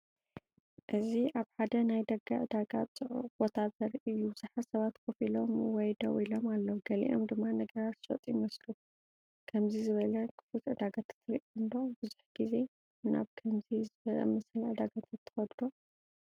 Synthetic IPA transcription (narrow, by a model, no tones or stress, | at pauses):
ʔɨziʔaβħad̪ɐnajd̪ɐɡaʕɨd̪aɡat͡sʼɨʕṵb̥ot̪ʰazɐɾɨjːubɨz̥aħasɐβat̪kʰofilo̞mwɔjd̪ɐ̰wʔilo̞malːɐwɡɐlḭʔo̰md̪ɨmːanɐɡɐɾat̪zʃo̰t̪ʼjimɐslu | kʰɐmzizɨβɐlɐkʰɨ̥fut̪ʕɨd̪aɡat̪ʰḁt̪ʰːɨɾiʔɨnd̪obɨzuħɡ̥ize̞ | na̰βkʰɐmzizɨβɐlɐ̰mɐsɨlʕɨd̪aɡat̪ʰat̪ʰːɨ̥xɐd̪d̪o